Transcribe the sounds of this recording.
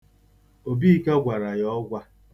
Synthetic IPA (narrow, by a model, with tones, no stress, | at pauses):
o˨bi˦ka˦ɡʷa˨ɾa˨jɔ˦ɡʷa˦